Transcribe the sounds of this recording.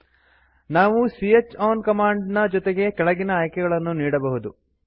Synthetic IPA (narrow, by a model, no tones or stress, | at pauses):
naːʋusiet͡ʃːaːnkɐmaːɳɖnɐd͡ʒɔt̪e̞ɡe̞kɛɭɐɡinɐaːjkɛɡɐɭɐnːuniːɽɐbɐɦud̪u